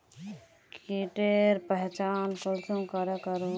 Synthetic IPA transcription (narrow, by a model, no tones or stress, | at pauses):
kiʈeɾpəɦt͡ʃanpolsũkəɾɛkəɾu